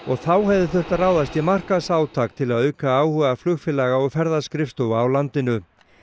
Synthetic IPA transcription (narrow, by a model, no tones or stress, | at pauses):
ɔɣθawhɛvðɪθʏht̪araːwðast̪jɛmar̥kasaːwt̪ʰaːk̚t̪ʰɪlaðœɥkaaːwhʏːɣaflʏɣfɪlaɣaɔɣfɛɾðaskɾɪft̪owaːwlant̪ɪnʏ